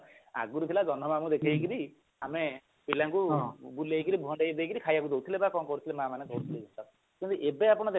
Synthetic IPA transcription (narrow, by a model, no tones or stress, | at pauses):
a̰ɡuɾut̪ʰilad͡ʒɔnɔmamud̪ekʰejkiɾi | ame | pilaŋkũbulejkiɾibʱuɦɔɳɖejd̪ejkiɾikʰajakud̪ʱowt̪ʰilebakɔŋkɔɾut̪ʰilemãmanet̪oɾut̪ʰiled͡ʒunt̪ɔ | kint̪uʔebeapɔɽ̃ɔt̪e